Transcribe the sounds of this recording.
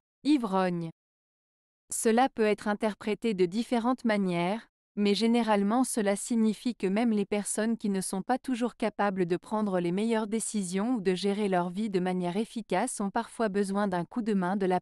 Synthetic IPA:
ivʁɔɲ | səlapøɛt̪χɛ̃t̪ɛʁpχet̪ed̪əd̪ifeʁɑ̃t̪manjɛʁ | mɛʒeneʁalmɑ̃səlasiɲifikəmɛmlepɛʁsɔnkʲinəsɔ̃pat̪uʒuʁkapabləd̪əpχɑ̃d̪ʁəlemɛjœʁd̪esizjɔ̃ud̪əʒeʁelœʁvid̪əmanjɛʁefikʲasɔ̃paʁfwabəzwɛ̃d̪ɛ̃kud̪əmɛ̃d̪əla

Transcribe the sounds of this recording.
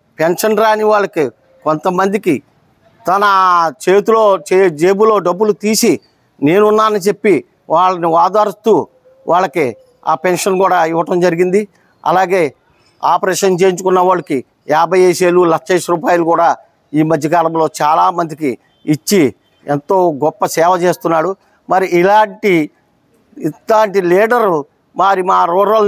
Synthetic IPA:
penʂɐnɾaːniʋaːɭːɐki | kont̪ɐmɐnd̪iki | t̪ɐnɐt͡ʃe̞ːt̪uloːt͡ʃed͡ʒeːbulo̞ːɖɐbːulut̪iːsi | ne̞ːnunːaːnɐnit͡ʃe̞pːi | ʋaːɭːɐniʋaːd̪aːɾist̪uː | ʋʔaːɭːɐki | aːpenʂɐnkuːɽaːiʋːɐʈɐmd͡ʒɐɾiɡind̪i | ɐ̰laːɡe̞ː | aːpɐɾeːʂɐnt͡ʃe̞ːjiɲt͡ʃukunːɐʋaːɭɐki | jaːbʱɐjejʃeːlulɐkʂeːʂɾuːpaːjɐlukuːɽaː | iːmɐd̪ʱjɐkaːlɐmlo̞ːt͡ʃaːlaːmɐnd̪ikiː | t͡ʃːi | ent̪o̞ːɡɔpːɐsɛːʋɐt͡ʃe̞ːst̪unːaːɽu | mɐɾiʔːlaːɳʈi | laːɳʈiliːɖɐɾ | maːɾimaːɾuːɾɐl

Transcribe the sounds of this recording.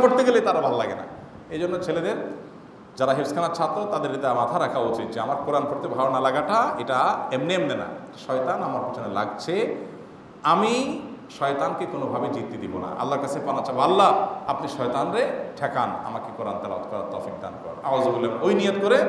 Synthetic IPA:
koɾt̪eɡelejt̪aɾabʱallaɡena̰ | ejd͡ʑonːot͡ɕʰeled̪eɾ | d͡ʑaɾaɦeɾskʰanat͡ɕʰat̪ot̪ad̪eɾet̪amat̪ʰaɾakʰaot͡ɕit̪̚d͡ʑeamaɾkoɾankoɾt̪ebʱawnalaɡaʈaeʈaemniemnena̰eʈaʃɔjt̪anamaɾpit͡ɕʰonela̰ɡt͡ɕʰe | amiʃɔjt̪ankekonobʱabid͡ʑit̪ːid̪ibona̰ʔa̰lːaɾkat͡ɕʰepanat͡ɕʰabʱalːaapniʃɔjt̪anɾeʈʰɛkana̰makekoɾa̰nt̪ɛla̰ot̪kɔɾa̰ɾt̪ɔfik̚d̪a̰nkɔ̰ɾa̰wazoɡulemojnijot̪koɾe

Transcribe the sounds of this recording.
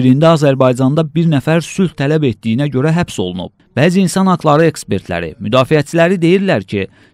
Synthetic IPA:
iɾind̪æɑzæɾbɑjd͡ʒɑnd̪ɑbiɾnæfæɾsylt̪ʰːælæbet̪̚d̪ijinæɟø̞ɾæɦæpso̞̰lˠunṵb̥̚b̥æːziːnsɑnhɑɡlˠɑɾɯe̞kspe̞ɾt̪ʰlæ̰ɾḭmyd̪ɑːfijæt͡ʃʰilæɾid̪e̞jiɾlæɾcʰi

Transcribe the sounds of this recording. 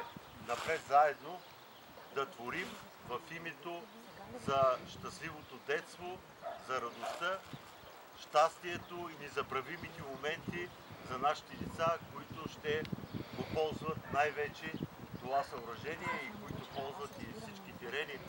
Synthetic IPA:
nɐpɾɛt̪zaɛd̪no | d̪ɐt̪voɾim | vɐfimɛt̪o | zɐʃt̪ɐslivot̪od̪ɛt̪st̪vo | zɐɾɐd̪ost̪ə | ʃt̪ast̪iɛt̪oinɛzɐbɾɐvimit̪ɛmomɛnt̪i | zɐnaʃi̥t̪ɛlit̪sakoit̪ʊʃt̪ɛɡopɔlˠzvɐt̪najvɛt͡ʃɛt̪ovasɐʊɾɐʒɛniɛikoit̪opɔlˠzvɐt̪ifsit͡ʃkit̪ɛɾɛni

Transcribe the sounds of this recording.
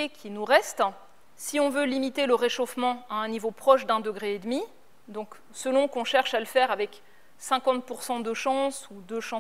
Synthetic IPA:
ekʲʰinuʁɛst̪ | siɔ̃vølimit̪eləʁeʃofmɑ̃aɛ̃nivopχɔʃd̪ɛ̃d̪əɡʁeːd̪mi | d̪ɔ̃k | səlɔ̃kɔ̃ʃɛʁʃaləfɛʁavɛk | sɛ̃kɑ̃t̪̚puʁsɑ̃d̪əʃɑ̃sud̪øʃɑ̃

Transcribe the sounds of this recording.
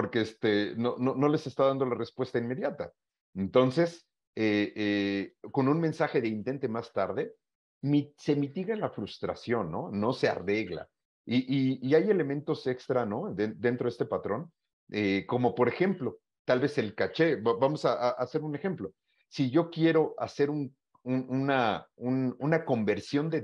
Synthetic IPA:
po̞ɾke̞est̪e̞no̞no̞no̞le̞se̞st̪aðand̪o̞lare̞spwe̞st̪ainme̞ðjat̪a̰ | ent̪o̞nse̞s | eeko̞nũnme̞nsaxe̞ðe̞int̪e̞nt̪e̞mast̪aɾðe̞ | mise̞mit̪iɣelafɾust̪ɾa̰sjo̞nːo̞ːo̞se̞a̰re̞ɣla̰ | iʔiːaje̞le̞mẽ̞nt̪o̞se̞kst̪ɾano̞ðed̪e̞nt̪ɾo̞est̪e̞pat̪ɾo̞n | eko̞mo̞po̞ɾe̞xe̞mplo̞ | t̪alβe̞se̞lkat͡ʃe̞bbamo̞saʔaʔase̞ɾune̞xe̞mplo̞ | siʝo̞kje̞ɾo̞ʔase̞ɾun | ununaununako̞mbe̞ɾsjo̞nd̪e

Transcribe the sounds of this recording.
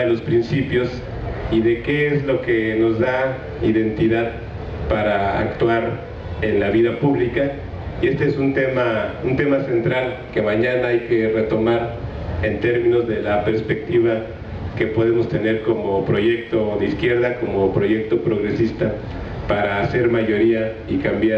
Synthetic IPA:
elospɾinsipjo̞s | iðe̞ke̞ezlo̞ke̞no̞zða | iðe̞nt̪iðað | paɾaa̰kt̪waɾ | e̞nlaβiðapuβlika | ie̞st̪e̞esunt̪emaunt̪e̞mase̞nt̪ɾalke̞maɲanaajke̞re̞t̪o̞maɾ | e̞nt̪e̞ɾmĩno̞zðe̞lape̞ɾspe̞k̚t̪iβa | ke̞po̞ðe̞mo̞st̪e̞ne̞ɾko̞mopɾo̞ʝe̞k̚t̪o̞ðeiskje̞ɾðako̞mo̞pɾo̞ʝek̚t̪o̞pɾo̞ɣɾe̞sist̪a | paɾaːse̞ɾmaʝo̞ɾia | ikambja

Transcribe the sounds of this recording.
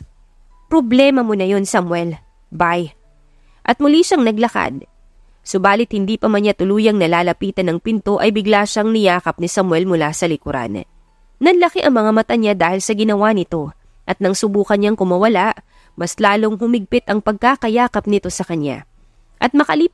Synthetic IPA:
pɾoblɛːmɐmonɐjo̞nsɐmwɛl | baj | ʔɐt̪̚mʊliʃɐŋnɐɡlɐka̰d̪̚ | sʊbaːlɪt̪̚hɪnd̪iːpɐmɐnɲat̪ʊluːjɐŋnɐlaːlɐpiːt̪ɐnːɐŋpɪnt̪o̞ʔɐjbɪɡlaːʃɐŋnɪjaːkɐp̚nɪsɐmwɛlmʊlasɐlɪkʊɾa̰n | nɐnlɐkɛʔɐŋmɐŋamɐt̪aɲad̪aːhɪlsɐɡɪnɐwanɪt̪o̞ | ʔɐt̪nɐŋsʊbuːkɐnɲaŋkʊmɐwɐlaʔ | mɐslaːloŋɦʊmɪɡ̚pɪt̪ɐŋpɐɡ̚kakɐjaːkɐp̚nɪt̪o̞sɐkɐna̰ | ʔɐt̪̚mɐkɐliː

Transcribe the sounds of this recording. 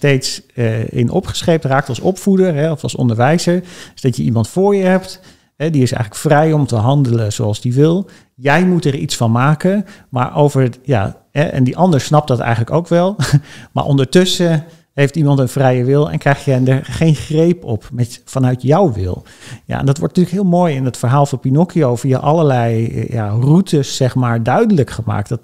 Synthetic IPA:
stejtsɪ̰nʔɔ̰pχə̥sχejp̚traːk̚tɑlˠsɔpfudəɹɦɛɔfɑlˠsɔ̰ndəɹʋɛjzəɹdzdɑtjəimɑntfʊːɹjəɦɛp̚t | ɦɛdiɪsɛ̰jχələkfrɛjɔmtəɦɑndələz̥oɑlˠzdiʋɪlˠ | jɛjmutɛɹḭtsfɑnmaːkəma̰ːɹʔowvəɹja̰ | ɦɛʔɛ̰ndiʔɑndəɹsnɑp̚dɑtɛ̰jχənləkowkʋɛlˠma̰ɹʔɔ̰ndəɹtɵsə | ɦejftimɑntənvrɛjəʋɪlˠɛ̰nkrɛjχjədəɹχejnχrejpɔpmɛtfɑnœɥtjawʋɪ̰lˠ | ja̰ɛ̰ndɑtʋɔ̰ɹtnətyːləkɦɪːlˠmoːjɪnətfəɹɦaːlˠvɑnpinɔkiowfia̰ʔɑləɹlɛj̰ja̰rutʰəsːɛχmaːɹdœɥdələkχəma̰ːktdɑt

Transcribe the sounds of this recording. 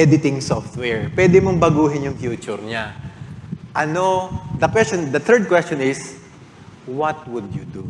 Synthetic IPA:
ʔɛd̪ɪt̪ɪŋsɔft̪wɛɹpwɛːd̪ɪmoŋbɐɡuːɦɪnjʊŋfjuːt͡ʃʊɾɲa | ʔɐnod̪ɐkwɛst͡ʃɔnd̪ɐt̪ʰɛɹd̪̚kwɛst͡ʃɔnɪs | wɐt̪̚wʊd̪jʊd̪u

